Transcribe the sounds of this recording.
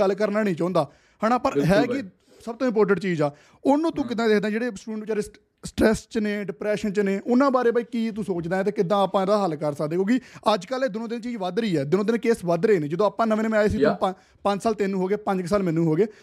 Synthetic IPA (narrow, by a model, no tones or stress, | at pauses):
əlkəɾnaːnĩːt͡ʃãːnd̪aː | haːnaːpəɾɦɛːkɪ | səb̚t̪õːɪ̃mp̬oːɾʈ̬ə̃ɳʈt͡ʃiːd͡ʒaː | ʊnũːt̪ũːkɪd̪ãːd̪eːkʰd̪aːɛ̃d͡ʒeːɽeːsʈuːɖə̃ɳʈit͡ʃaːɾeː | sʈɾɛːst͡ʃneːɖɪpɾɛːʃənt͡ʃneːʔʊnãːbaːɾeːbaiːkiːt̪̬usoːt͡ʃd̪aːɛ̃ːt̪eːkɪd̪ãːpãːd̪aːɦəlkəɾsəkd̪ẽːkjõːkiəd͡ʒkəleːd̪ɪnõːd̪ɪnt͡ʃiːd͡ʒʋəd̪ɾəiːɛːd̪ɪnõːd̪ɪnkeːsʋəd̪ɾəeːnẽːd͡ʒəd̪õːaːpːãːnəʋẽːnmẽːaːeːsiːt̪ʊ̃ | pə̃ɲd͡ʒsaːlt̪eːnːũːɦoːɡeːpə̃ɲd͡ʒksaːlmɛ̃ːnːũːɦoːɡeː